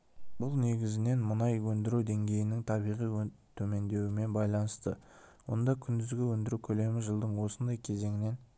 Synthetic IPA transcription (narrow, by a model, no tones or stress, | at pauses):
bʊlˠne̞ɡʲɪzɪne̞nmənɑjwɵnd̪ɪɾuwd̪e̞ŋɡʲe̞jɪnɪŋt̪ʰɑbijʁijt̪ʰɵme̞nd̪e̞wɪme̞nbɑjlˠɑnəst̪əwo̞̰nd̪ɑkʲʰʏnd̪ɪzɡʲɪwɵnd̪ɪɾukʲʰɵle̞mɪʒəlˠd̪əɴwo̞sənd̪ɑjkʲʰe̞ze̞ŋɪne̞n